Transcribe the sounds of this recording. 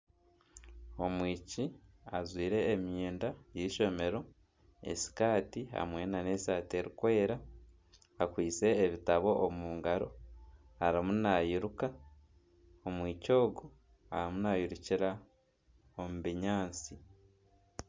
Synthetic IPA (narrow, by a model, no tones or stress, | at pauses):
o̞mwiːci | azwiːɾe̞ːmjeːndajiʃo̞me̞ɾo̞ | e̞̰si̥kaːtiha̰mwe̞ːnane̞saːte̞ɾikwe̞ːɾa | akwiːt͡se̞ːβitaβo̞ʔːmuːŋɡaɾo̞̰ | aɾimunajiɾuka | omwiːco̞ːɡo | a̰ɾimunajiɾuciɾa | omuβiɲaːnt͡si